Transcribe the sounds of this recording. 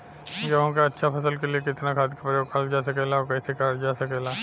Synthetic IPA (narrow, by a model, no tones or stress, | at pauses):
jɐɦõkaɐtːʃʰapʰɐs̬əlkeliekɪt̪nakʰaːd̪kapɾəjoːɡ̚kaːld͡ʒaːsɐkɛlaokɛsekaːɾd͡ʒaːsɐkɛlaː